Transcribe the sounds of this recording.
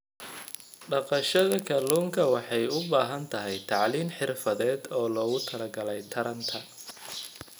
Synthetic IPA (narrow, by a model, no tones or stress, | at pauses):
ɖɑqɑʃɐðɐkʰɐluːŋkʰɐwɑħɑjʊbaːɦɐnt̪ʰɐɦɛjt̪ʰɑʕliːmħɪrfɐðɛːd̪ɔːlɔːɣʊt̪ʰɐlɐɡɐlɛjt̪ʰɐɾɐnt̪ʰɐ